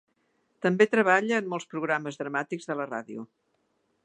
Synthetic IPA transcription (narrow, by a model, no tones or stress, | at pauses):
t̪əmbet̪ɾəβ̞aʎəːnːɔlˠspɾuɣ̞ɾaməzðɾəmat̪iɡzðələra̰ðiṵ